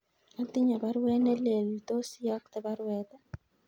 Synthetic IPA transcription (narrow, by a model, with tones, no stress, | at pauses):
a˦t̪ɪ˦ɲa˨ba˦ɾwɛ˦nɛ˦le˨lt̪o˦sɪ˦jɔ˦k̚t̪ɛ˨ba˦ɾwɛt̪a˦